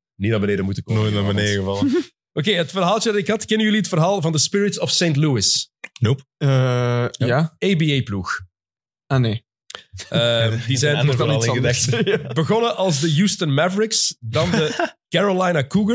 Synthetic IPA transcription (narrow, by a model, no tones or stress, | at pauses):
nitnaːbəneːdəmutəknoːjtnabəneɣəvɑə | ʔokeːətfərɦaːlˠt͡ʃəɪkɑtkɛnənjɵliɦətfərɦaːlˠvɑndəspɪɹɪtsɔfseːntluɪsnopəjaebiejplux | aneː | ədizɛjnɔilɪdɛxbəɣɔnəʔɑlˠzdəjuːstənmɛvɹɪksdɑndəkɛɹolajnakuɡə